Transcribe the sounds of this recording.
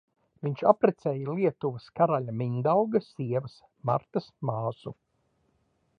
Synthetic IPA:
viɲt͡ʃapɾɛt̪sɛːjɐliɛt̪uvɐskaɾaʎʲamiɲd̪awɡɐsiɛvɐs | ma̰ɾt̪ɐsmaːz̥u

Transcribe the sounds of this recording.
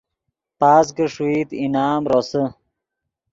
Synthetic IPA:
paːs̬ɡəʂwiːt̪inaːmɾosə

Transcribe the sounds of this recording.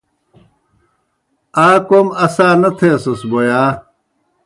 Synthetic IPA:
aːkomɐsaːnɐt̪ʰeːsosbojaː

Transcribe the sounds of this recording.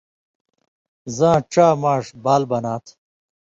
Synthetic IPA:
zãːʈ͡ʂaːmaːʂbaːlbɐnaːt̪ʰ

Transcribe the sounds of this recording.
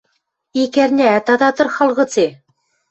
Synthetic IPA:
ikæɾnʲæt̪ɑd̪ɑt̪ɤ̆rχɑlˠʁɤ̆t͡se

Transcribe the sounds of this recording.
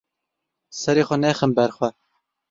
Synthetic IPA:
sɛɾeːxʷɛnɛxənbɛɾxwɛ

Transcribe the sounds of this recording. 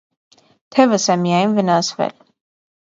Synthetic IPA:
t̪ʰɛvəsɛmijɑjnvənɑsvɛ̰l

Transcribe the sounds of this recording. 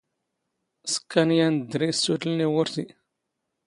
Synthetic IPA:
skanjand̪ɾesudlnewʊɾsi

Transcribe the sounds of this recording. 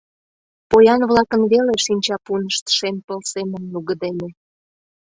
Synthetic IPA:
pojɑnβlɑkənβeleʃinʲt͡ɕɑpunəʃt̪ʃempəlsemənːuɣəd̪ene

